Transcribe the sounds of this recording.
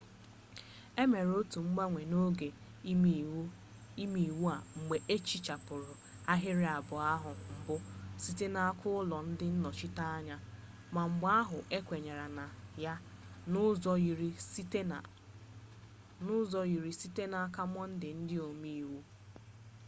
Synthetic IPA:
e˦me˨ɾo˦tu˨ŋ͡m̩˦ɡ͡ba˦ŋʷe˨no˦ɡe˨˦ | i˦mi˨i˨wu˦a˨ŋ͡m̩˨ɡ͡be˨ʔe˦t͡ʃi˦t͡ʃa˨pʊ˨ɾʊ˨ | a˦ɦɪ˦ɾɪ˦a˨bʊ˨a˦ɦʊ˨ŋ͡m̩˨bʊ˦si˦te˦na˨a˦kʰʊ˦ʊ˦lɔ˨n̩˦dɪ˦n̩˦nɔ˨t͡ʃɪ˦ta˦a˦ɲa˦ | ma˨ŋ͡m̩˨ɡ͡ba˦a˦ɦʊ˨ʔe˦kʷe˨ɲe˨ɾa˨na˨ja˦ | zɾi˦˨ | nʊ˦zɔ˦ji˨ɾi˨si˦te˦na˨a˦ka˦m˦ɔ˦n̩˦dɪ˨n̩˦dɪ˦o˨mi˦i˨wu˦

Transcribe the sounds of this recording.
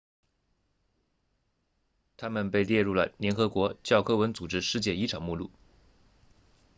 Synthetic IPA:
t̪ʰa˥mə˨npe˥˧ɪljɛ˥˧ɻu˥˩lə̰˩ljɛ˧˥nxɤ˧˥kwɔ˧˥t͡ɕjɑ˥˩ʊkʰɤ˥wə˧˥nt͡su˨˩ʈ͡ʂɻ̩˥ʂɻ̩˥˧t͡ɕjɛ˥˩i˥ʈ͡ʂʰɑ˨˩ŋmu˥˧lṵ˥˩

